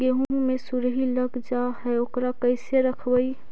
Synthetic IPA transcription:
ɡeɦũɦũmẽsʊɾɦiləɡd͡ʒahɛokɾakəɪseɾəkʰbəi

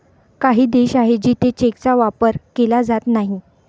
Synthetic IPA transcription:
kaɦiːd̪eɕaɦed͡ʑiːt̪et͡ɕek̚t͡saʋapəɾkelad͡zat̪naɦi

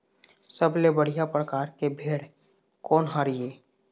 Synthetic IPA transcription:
səblebəɽ̤ijapɾəkaːɾkebʱeːɽ | kɔːnɦaɾijeː

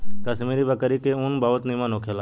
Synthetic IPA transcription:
kəsmiːɾiːbəkəɾiːkeːunbaːʋət̪nĩːmãːnoːkʰelaː

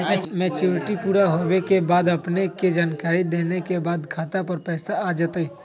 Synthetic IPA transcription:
mɛːt͡ʃuːɾɪʈipuːɾaɦoːwekebaːd̪ɐpneked͡ʒaːnkaːɾid̪eːnekebaːd̪kʰaːt̪apɐɾpɛːsaaːd͡ʒat̪aiː

